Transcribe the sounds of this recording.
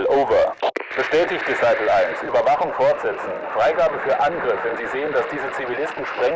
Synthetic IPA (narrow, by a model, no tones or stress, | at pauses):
lʔoːvɐb̥əʃtɛːtɪçtd̥isaɪpl̩aɪnsʔyːbɐvaχʊŋfɔɐtz̥ɛt͡sn̩fʁ̥aɪɡaːbəfyːɐʔanɡʁɪfv̥ɛnziːzeːəndasd̥iːzət͡sivilɪstn̩ʃpʁ̥ɛŋ